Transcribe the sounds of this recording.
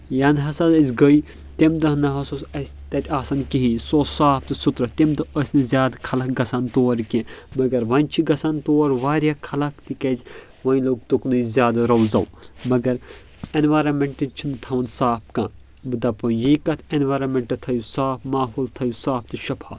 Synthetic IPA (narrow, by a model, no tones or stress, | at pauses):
janɦɐsɐlɐzʲɡəi | t̪emt̪ɐnɐɦɐsusɐsʲt̪ɐt̪ʰʲaːsɐnkiɦisoːsaːpʰt̪ɨsut̪ɾɐt̪emt̪ɨɐsʲnɨzʲjaːd̪kʰɐlɐkɡɐsant̪oːɾkẽmɐɡɐɾʋɐ̃nʲt͡ʃʰiɡɐsant̪oːɾʋaːɾʲjakʰɐlɐkt̪ikez | ʋɐ̃ːjloːɡ̚t̪uknuizʲjaːd̪ɾɐwzɐ̰wmɐɡɐɾ | enʋaːɾɐnmeɳʈit͡ʃʰind̪ɨt̪ʰɐʋɐnsaːp̚ʰkãː | bɨd̪ɐpɐjiːkɐt̪ʰenʋaːɾɐnmeɳʈɨt̪ʰɐjusaːpʰmaːɦuːlt̪ʰɐjusaːp̚t̪ɨʃɐpʰa̰ːt̪